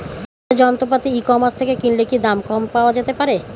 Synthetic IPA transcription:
d͡ʑɔnt̪opat̪iikɔmast̪ʰekekinlekid̪amkɔmpaoad͡ʑet̪epaɾe

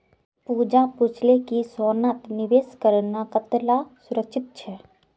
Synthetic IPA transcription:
puːd͡ʒaput͡ʃʰlekisoːnat̪nɪʋeːskəɾənakət̪lasʊɾəkʃʰɪt̪̚t͡ʃʰɛ

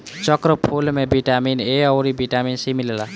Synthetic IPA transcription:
t͡ʃʌkɾəpʰulmebiʈamineɔwɾibiʈaminsimilela

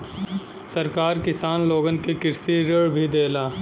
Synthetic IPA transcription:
sɐɾkaːɾkɪsaːnloːɡənkikɪɾsiɾəɭbʱid̪eːlaː

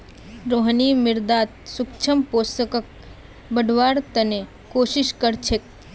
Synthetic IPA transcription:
ɾoːɦnimɪɾd̪aːt̪̚sʊkt͡ʃʰəmpoːst̪əkək̚ | bəɖʱʋaːɾt̪ɐne | koːʃɪʃkəɾt͡ʃʰek̚

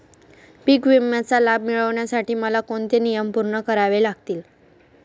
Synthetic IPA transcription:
pikʋimjat͡salab̚miɭəʋɳjasaʈiːməlakoɳt̪enijəmpuɾɳəkəɾaʋelaɡt̪iːl

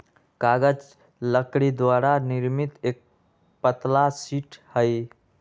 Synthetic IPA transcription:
kaɡəd͡ʒ | ləkɾid̪waɾaniɾmit̪ek̚ | pət̪lasiʈhəj

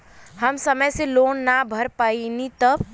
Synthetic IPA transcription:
həmsəməjseloːnːabʱəɾpainit̪əb

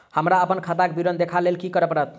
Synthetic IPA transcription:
həmɾaəpənkʰat̪akebiɾənd̪ekʰalelkikəɾəpəɾət̪̚ʰ

